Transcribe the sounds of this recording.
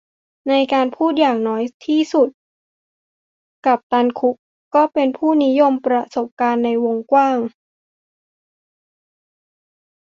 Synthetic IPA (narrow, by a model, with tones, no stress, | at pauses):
na˧jkaː˧npʰuː˥˩t̪̚jaː˨˩ŋnɔː˦˥jt̪ʰiː˥˩su˨˩t̪̚ | ka˨˩p̚t̪a˧nkʰu˦˥k̚ | kɔː˥˩pe˧npʰuː˥˩ni˦˥jo˧mpɾa˧so˨˩p̚kaː˧nːa˧jwo˧ŋkwaː˥˩ŋ